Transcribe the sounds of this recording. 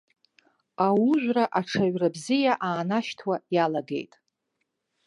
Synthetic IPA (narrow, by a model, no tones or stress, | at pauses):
awuʒʷᶣraʔaʈ͡ʂʰaɥrabzijaʔaːnaʃtʰwajalaɡe̞̰jtʼ